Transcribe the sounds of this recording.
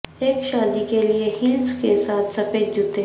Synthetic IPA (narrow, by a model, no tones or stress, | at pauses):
eːkʃaːd̪ikeliehɪlskesaːt̪ʰsɐpeːd͡ʒʊt̪e